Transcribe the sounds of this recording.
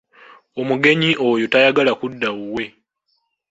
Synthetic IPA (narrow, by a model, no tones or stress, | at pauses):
o̞muɡe̞ɲiʔojotajaɡalakudːauwe̞